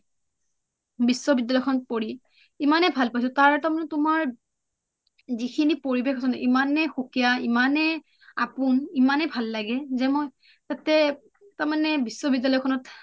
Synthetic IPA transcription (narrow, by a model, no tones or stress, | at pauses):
bisːɔbidːalɔjɔkʰɔnɔt̚poɹi | imanɛbʱalpajsɔtaɹɛtaɹmanɛtʊmaɹ | zikʰinipoɹibekʰɔsɔnɛʔimanɛxukijaimanɛ | apʊnimanɛbʱalːaɡɛzɛmoj | tatɛ | taɹmanɛbisːɔbidalɔjkʰɔnɔt